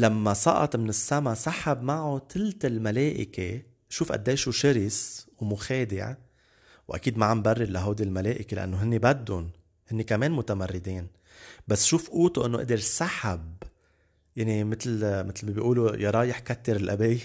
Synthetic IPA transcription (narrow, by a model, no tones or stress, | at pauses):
lamːasˤɑ̰ʔɑ̰t̪ˤmɪnɪsːamasaħabmaʕot̪ʰɪlt̪almaleːʔɪke | ʃuːfʔa̰d̪ːeːʃuʃɪɾɪswmʊxeːd̪ɪ̰ʕ | wʔa̰kiːd̪maʕambarːɪɾlaɦawd̪ilmaleːʔɪkelɪʔa̰nːoɦɪnːebad̪ːʊn | hɪnːekameːnmʊt̪amarːɪd̪iːn | basːʃuːfʔuːt̪uʔɪnːoʔɪ̰d̪ɪɾsaħab | jaʕnimɪt̪lmɪt̪lmabiʔuːlujɑɾˤɑːjɪħkat̪ːɪɾɪlʔabi